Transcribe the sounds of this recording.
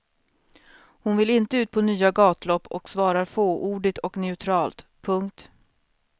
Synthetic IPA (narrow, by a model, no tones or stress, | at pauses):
hʊnvɪlɪnt̪əʉːt̪̚pʰɔnyːaɡɑːt̪lɔpːɔksvɑːɾaɾfoːʔuːɖɪt̪ʰɔknɛʉt̪ʰɾɑːlt̪pʰɵŋkt̪